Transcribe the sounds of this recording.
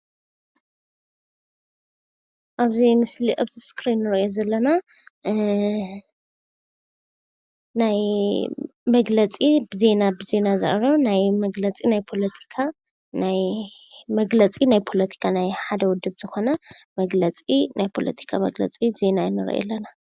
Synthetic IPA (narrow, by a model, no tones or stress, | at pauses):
ʔaβzijmɨsliʔaβziskʰɾinːɨɾɐjozɐlːɐna | naj | mɐɡlɐt͡sʼibɨze̞nabɨze̞nazɐ̰ʔɾɐβnajmɐɡlɐt͡sʼinajpʰo̞lɐt̪ʰi̥kʰa | naj | mɐɡlɐt͡sʼinajpʰo̞lɐt̪ʰi̥kʰanajħad̪ɐwʊd̪ɨbz̥ɨxo̞nɐmɐɡlɐt͡sʼinajpʰo̞lɐ̰t̪ʰi̥kʰamɐɡlɐ̰t͡sʼize̞najɛnːɨɾɐ̰ʔɛ̰lːɐna